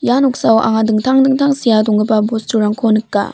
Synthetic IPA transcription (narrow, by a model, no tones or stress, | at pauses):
janok̚sawʔa̰ŋadɯŋtʰaŋdɯŋtʰaŋsijadɔŋɯbabostuɾaŋkʰonɯkːa̰